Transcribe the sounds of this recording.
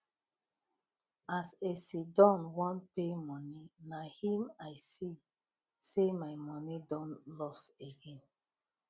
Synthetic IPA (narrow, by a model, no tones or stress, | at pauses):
asesidɔ̃nwɔ̃npemɔni | nahĩmaɪsi | semaɪmɔnidɔ̃nlɔseɡẽn